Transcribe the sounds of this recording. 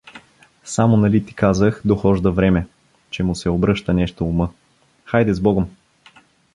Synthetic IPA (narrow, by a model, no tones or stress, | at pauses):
samonɐlit̪i̥kazəxd̪oxɔʒd̪əvɾɛmɛ | t͡ʃɛmʊsɛobɾɤʃt̪ənɛʃt̪oːmɤ | xajd̪ɛzbɔɡom